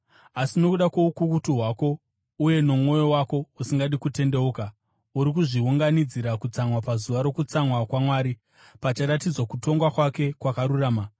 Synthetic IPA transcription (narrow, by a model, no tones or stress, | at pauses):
asino̞kuɗakwo̞ukukutuɦwaːko̞ | uje̞no̞mŋo̞jo̞wako̞usiŋɡaɗikute̞nde̞uka | uɾikuʐiuŋɡanid͡ziɾakut͡samwapazuʋaɾo̞kut͡samwakwamwaːɾi | pat͡ʃiɾatid͡zwakuto̞ŋɡwakwake̞kwakaɾuraːma